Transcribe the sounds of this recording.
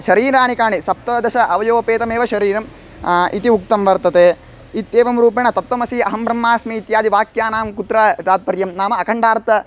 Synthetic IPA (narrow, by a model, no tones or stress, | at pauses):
ʃɐɾiːɾaːnikaːɳisɐp̚t̪ɐd̪ɐʃɐʔɐʋɐjoːɐpeːt̪ɐmeːʋɐʃɐɾiːɾɐm | ʔit̪iuk̚t̪ɐmʋɐɾt̪ɐt̪eː | it̪ːeːʋɐmɾuːp̬ɐɳɐt̪ɐt̪ʋɐmɐsiɐɦɐmbɾɐmːaːsmiːt̪jaːd̪iʋaːkjaːnaːmkut̪ɾaːt̪aːt̪̚pɐɾjɐmnaːmɐɐkʰɐɳɖaːɾt̪ɐ